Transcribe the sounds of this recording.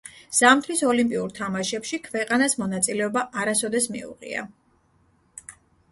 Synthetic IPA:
z̥amt̪ʰɾisɔlimpʼiuɾt̪ʰamaʃɛpʃikʰvɛqʼanasmɔnat̪sʼilɛɔbaʔaɾasɔd̪ɛsmḭṵʁḭa̰

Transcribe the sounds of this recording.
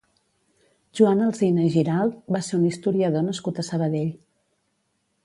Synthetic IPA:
ʒuanəlˠzinəiʒiɾalˠbaseunist̪uɾiəðonəskut̪əsəβəðeʎ

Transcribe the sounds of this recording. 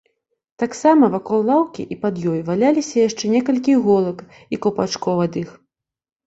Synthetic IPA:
t̪aksamɐvakɔlˠlˠawkʲḭʔipad̪jɔjvalʲalʲisʲɐjaʂt͡ʂɛnʲɛkɐlʲkʲiɣɔlˠɐk | ikɐwpat͡ʂkɔwɐd̪ɨx

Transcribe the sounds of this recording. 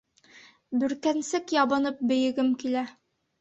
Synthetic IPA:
bɵ̆ɾkænsɘkjɑbɑnɤp̚bɘ̆jɘ̆ɡɘmkilæ

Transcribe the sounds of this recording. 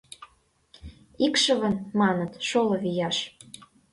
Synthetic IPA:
ikʃə̆βə̆nmɑnət̪ʃolɤ̆βijɑʃ

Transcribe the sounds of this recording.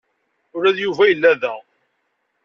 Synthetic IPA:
ʊɾæðjuvæjəlːæðæ

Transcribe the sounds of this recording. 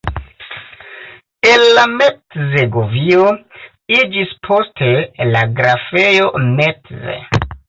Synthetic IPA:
elːametzeɡovio̞ | id͡ʒispʰo̞stʰe̞laɡɾafe̞jo̞metzḛ

